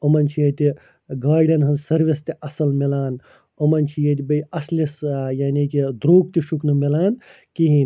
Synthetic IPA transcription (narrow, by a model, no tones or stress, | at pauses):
omɐnt͡ʃʰijet̪i | ɡaːɾɖɐnɦɐnsɐɾʋest̪iɐsɐlmilaːn | omɐnt͡ʃʰijet̪̬ibɐjɐslesjaːniːkid̪ɾuːk̚t̪iʃuknɨmelaːn | kiɦin